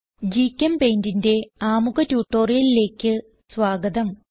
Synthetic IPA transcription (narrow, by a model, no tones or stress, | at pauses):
d͡ʑikʲːɐmpeːndinde̞aːmuɣɐtjuːʈːo̞ːrijɐlile̞ːkʲːɨ | sʋaːɡɐd̪ɐm